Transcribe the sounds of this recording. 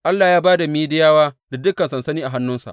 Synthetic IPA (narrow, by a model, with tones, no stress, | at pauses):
ʔa˦lːaː˨jaː˦baː˦da˨miː˦dɪ˦jaː˦waː˦da˨dʊ˦kɐ˨nsɐ˨nsɐ˦niː˦ʔa˨ɦa˦nːʊ˦nsa̰˨ʔ